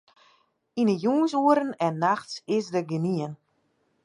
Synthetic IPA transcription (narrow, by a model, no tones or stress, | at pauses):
inəjuːnsuəɾənɛnːaxtsɪsdəɡəniən